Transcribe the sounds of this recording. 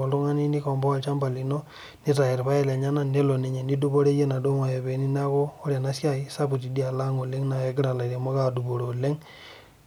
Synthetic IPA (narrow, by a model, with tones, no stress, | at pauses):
ɔ˨lu˦ŋa˦ni˦ni˦kɔ˨mbɔ˦a˨lt͡ʃa˦mba˨li˨nɔ˦ | ni˦ta˨ɛ˨ɾpa˦ɛ˦˨lɛ˨ɲa˦na˦˨ne˦lo˨ne˨ɲɛ˨ni˦du˦bo˦ɾe˦je˦na˨do˦ma˨jɛ˨be˨ni˦n˦a˦kɔː˦ɾja˨na˦sja˦i˦sa˦bu˨t̬i˨di˦a˨la˦ŋo˨le˦ŋna˨ɛ˦ɡɪ˦ɾa˨la˨ɾɛ˨mɔ˦ka˦˨du˨bo˨ɾo˨le˦ŋ